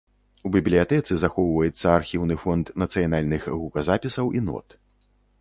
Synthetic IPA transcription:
ubʲiblʲijat̪ɛt̪sɨzaxɔwvɐjɛt̪sːɐarxʲiwnɨfɔnt̪nɐt̪sɨjanalʲnɨxɣukɐzapʲisɐwʔinɔ̰t̪

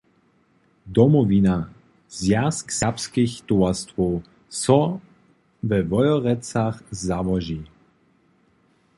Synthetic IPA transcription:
d̪ɔmɔvina | zjasksapskixt̪uast̪ʋɔw | sɔ | vɛvɔjɔʁɛt͡saxzavɔʒi

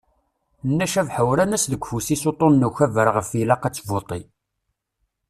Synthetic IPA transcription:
nːæʃævħəwɾænæsðəɡʷfusisot̪ˤonːuçævəɾʁəfilɑqæt͡sːvot̪ˤi

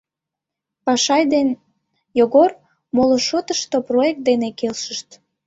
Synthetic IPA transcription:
pɑʃɑjd̪en | joɣor | moloʃot̪əʃt̪oproek̚t̪̚d̪enekelʃəʃt̪

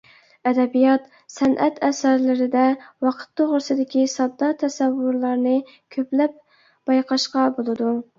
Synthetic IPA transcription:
ɛd̪ɛbijɑt̪ | sɛnʔɛt̪ɛsæɾlɪɾɪd̪ɛwɑqʰə̥t̪ːoʁɾsɨd̪ɪkʲisɑd̪ːɑt̪ʰɛsɛwːʊɾlˠɑɾnɨ | kʲʰøplɛp̚ | b̥ɑjqʰɑʃqɑbolˠɨd̪u

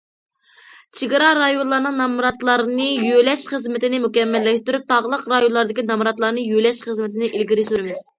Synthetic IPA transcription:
t͡ʃʰiɡɪɾɑɾɑjonlˠɑɾnɨŋnɑmɾɑt̪lˠɑɾnɨjølɛʃχəzmɪt̪ɪnɪmukʲɛmːɛlːɛʃt̪yɾyp̚t̪ʰɑʁəlˠəqɾɑjonlˠɑɾd̪ɪkʲinɑmɾɑt̪lˠɑɾnɨjølɛʃχəzmɪt̪ʰɪnɪʔilɡʲiɾɪsyɾɪmɪz̥

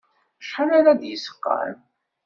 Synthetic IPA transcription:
ʃħanaɾad̪jəsə̥qːɑ̰ɾ

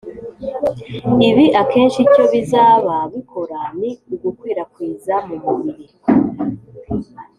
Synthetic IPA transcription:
iβiʔake̞ːnʃico̞βizaːβaβikʰo̞ɾaniuɡukwiːɾakwiːzamuβuβiɾi

